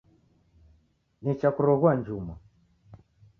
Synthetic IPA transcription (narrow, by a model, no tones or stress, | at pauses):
nit͡ʃakuɾɔɣwand͡ʒumɔ